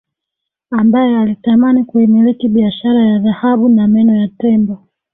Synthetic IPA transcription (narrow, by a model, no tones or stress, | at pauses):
ambajɛalitamanikuhimiɾikiɓiaʃaɾajaðahaɓunamɛnɔjatɛmbɔ